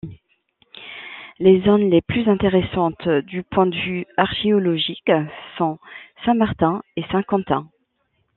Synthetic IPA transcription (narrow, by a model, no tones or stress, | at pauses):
lezɔnleplyzɛ̃t̪eʁesɑ̃t̪d̪ypwɛ̃d̪əvyaʁʃeɔlɔʒiksɔ̃sɛ̃maʁt̪ɛ̃esɛ̃kɑ̃t̪ɛ̃